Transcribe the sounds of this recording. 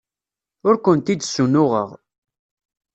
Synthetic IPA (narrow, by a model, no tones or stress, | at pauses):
ʊɾkʷənt̪id̪sunʊʁə̰ʁ